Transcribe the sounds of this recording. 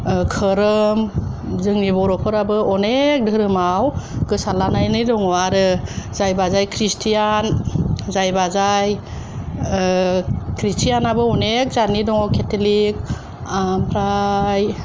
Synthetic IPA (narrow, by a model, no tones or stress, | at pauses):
kʰɯɾɯmzɯŋnibɔɾɔpʰɯɾabɯɔnek̚dʱɯɾɯmawkɯsalanajnidɔŋɔaɾɯzajbazajkʰɾistʰijanzajbazaj | kʰɾistʰijanabɯɔnek̚zanidɔŋɔkʰetʰelik̚ | ampʰɾaj